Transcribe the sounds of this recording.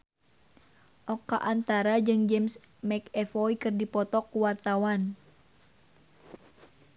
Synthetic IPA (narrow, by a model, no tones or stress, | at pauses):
ʔɔkaʔant̪aɾad͡ʒɨŋd͡ʒɛmsmɛkɛfɔikɨrdipɔt̪ɔkːuwart̪awan